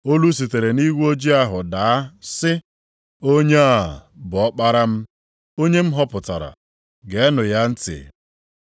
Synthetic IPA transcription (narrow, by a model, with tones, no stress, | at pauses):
o˦lu˦s̬i˨te˨ɾe˨ni˦ɡʷo˦d͡ʒi˦a˦ɦʊ˨da˨a˦sɪ˦ | o˦ɲe˦a˨bʊ˨ɔ˦k͡pa˦ɾa˦m̩˦ | o˦ɲe˦m̩˦ɦɔ˦pʊ˨ta̰˨ɾa̰˨ | ɡe˨˦nʊ˨ja˦n̩˦tɪ̰˨